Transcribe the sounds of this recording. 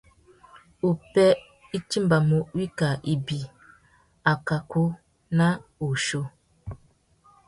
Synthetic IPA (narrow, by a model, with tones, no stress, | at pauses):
u˨pɛ˦ | i˦t͡ʃi˦m˦ba˨mu˨˦wi˦ka˨ʔi˨bi˨ | a˨ka˨ku˦ | na˦u˨ʃo˦